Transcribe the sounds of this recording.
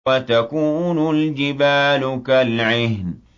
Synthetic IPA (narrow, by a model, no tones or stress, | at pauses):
at̪akuːnʊld͡ʒɪbaːlʊkalʕɪhn